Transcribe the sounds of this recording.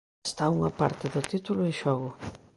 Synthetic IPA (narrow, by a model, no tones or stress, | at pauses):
st̪auŋɐpaɾt̪ɪðʊt̪it̪ulʊeŋʃɔɣʊ